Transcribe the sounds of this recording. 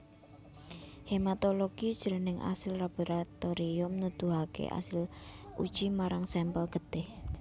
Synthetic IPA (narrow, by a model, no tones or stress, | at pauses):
hemat̪oloɡ̥id̥ʒ̥əɾənɪŋʔa̰sɪlrab̥o̤ɾat̪oɾiʊmnud̪̥ṳɦakḛʔa̰sɪlʔṵd̥ʒ̥imaɾaŋsɛmpəlɡ̥ə̤d̪̥ɪh